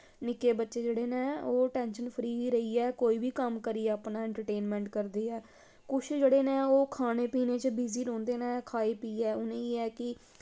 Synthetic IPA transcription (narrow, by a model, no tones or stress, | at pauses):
nɪkeːbətːʃeːd͡ʒeːɽeːneːoːʈɛːnʃənpʰəɾiːiːɾəiːɛːkoːiːbiːkəmkəɾiːɛːəpnãːɛ̃ɳʈəɾʈeːnmɛ̃ːɳʈkəɾd̪eːɛː | kʊt͡ʃʰd͡ʒeːɽeːnẽːoːkʰaːneːpiːneːt͡ʃəbiːziːɾõːnd̪eːnɛːkʰaːeːpiːɛːʊnẽːeːɛːkɪ